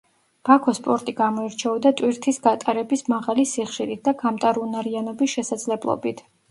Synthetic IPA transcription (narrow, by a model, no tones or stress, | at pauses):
b̥akʰɔspʼɔɾt̪ʼiɡamɔiɾt͡ʃʰɛɔd̪at̪ʼwiɾt̪ʰisɡat̪ʼaɾɛbismaʁalisiχʃiɾit̪̚ʰd̪aɡʰamt̪ʼaɾunaɾianɔbisʃɛsad̪zlɛblˠɔ̰bit̪ʰ